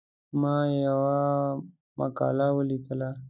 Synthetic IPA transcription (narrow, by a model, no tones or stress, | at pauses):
mɑjawa | ma̰kɑ̰lawəlikəla